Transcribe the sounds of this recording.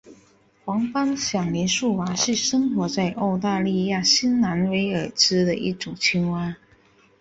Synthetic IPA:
xwɑ˧˥ŋpa˥ŋɕjɑ˨˩ŋli˧˥nʂu˥˩wa˧˥ʂɻ̩˥˩ʂɤ˥ŋxwɔ˧˥t͡sa˥˧ɪʔo˥˧ʊt̪a˥˧li˥˧ja˥˩ɕi˥nna˧˥nwe˧˥ɪə˨˩ʈ͡ʂɻ̩˥d̪ə˨ʔḭ˥˩ʈ͡ʂʊ˨˩ŋt͡ɕʰi˥ŋwa˥n

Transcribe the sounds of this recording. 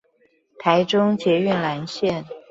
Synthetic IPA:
t̪ʰa˧˥ɪʈ͡ʂʊ˥ŋt͡ɕjɛ˧˥y˥˩nla˧˥nɕjɛ˥˩n

